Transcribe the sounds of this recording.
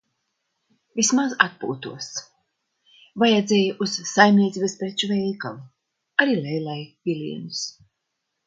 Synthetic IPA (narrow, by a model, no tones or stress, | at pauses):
vʲismazat̪̚pṵːt̪uɔs | vajad̪zʲejaʔussajmnʲiɛt̪iːbespɾet͡ʃuvɛjkalu | aɾiːlɛjlˠajvʲilʲḭɛnus